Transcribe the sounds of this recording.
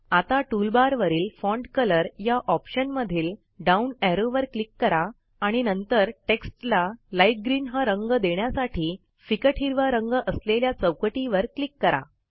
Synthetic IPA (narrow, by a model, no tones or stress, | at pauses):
at̪aʈulbaɾʋəɾiːlfɔɳɖkələɾjaʔɔpɕənməd̪ʱiːl | ɖaunɛɾoʋəɾklikːəɾaː | ɽ̃inənt̪əɾʈeksʈlalajfɡɾiːnɦaɾəŋɡd̪eɳjasaʈʰiː | fikəʈʰiɾʋaɾəŋɡəʔəsleljat͡səwkʈiʋəɾklikːəɾa̰